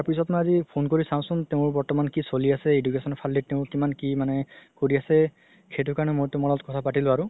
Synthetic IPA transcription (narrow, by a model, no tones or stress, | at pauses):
aɹpisɔtmɔjazipʰonkoɹisaw̃sʊ̃nteʊ̃ɹbɔɹtɔmankisoliasɛedukesɔnɔpʰalːiteʊ̃kimankimanɛkoɹiasɛ | kʰet̬ʊkaɹnɛmojtʊmɔlɔtkɔtʰapatilʊ̃aɹʊ